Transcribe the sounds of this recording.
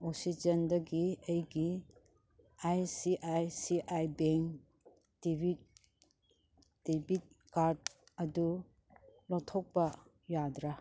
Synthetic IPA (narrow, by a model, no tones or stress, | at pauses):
oksid͡ʒɐndɐɡiɐjɡi | ajsiʔajsiʔajbeŋ | d̥ibi | d̥ibit̚ | kaɾd̚ | ɐdu | lɔtʰɔk̚bɐ | jadɾa